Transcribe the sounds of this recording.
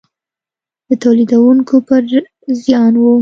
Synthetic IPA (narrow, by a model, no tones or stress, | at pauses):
d̪̥ət̪awlid̪awuŋkʰopəɾ | zjɑnwu